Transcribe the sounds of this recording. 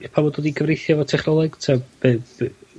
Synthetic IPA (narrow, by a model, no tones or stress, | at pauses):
pʰamɔdɔdiɡʰəvrejθjɔvɔtʰɛχnɔlˠɛɡ̥tʰɛb̥ɨ̥